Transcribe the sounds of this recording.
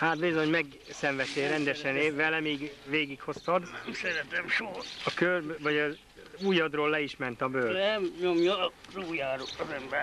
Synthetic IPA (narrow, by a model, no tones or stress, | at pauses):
haːt̪̚bizo̞ɲmɛɡ | sɛɱvɛt̪ːeːɾɛnd̪ɛʃɛneːvɛlɛmiːɡʋeːɡikho̞st̪ɒd̪ɛmsɛɾɛt̪ɛmʃoɒkørbvɒɟɒz | ujɒd̪roːlːɛiʃmɛnt̪ɒbøːɛmɲomjoruːjaːɾozɛmbɛ